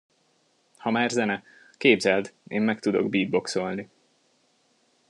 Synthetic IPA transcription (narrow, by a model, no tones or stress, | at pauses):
hɒmaːrzɛnɛ | keːbzɛld̪eːmːɛkt̪ud̪o̞̰ɡbiːd̪̚bo̞kso̞lni